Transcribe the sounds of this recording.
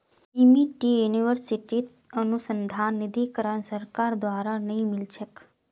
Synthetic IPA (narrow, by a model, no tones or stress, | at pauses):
imiʈijuniʋəɾsiʈit̪ | ənusənd̪ʱanːid̪ʱikəɾəɳsəɾkaɾd̪ʋaɾanəɦĩmɪlʃək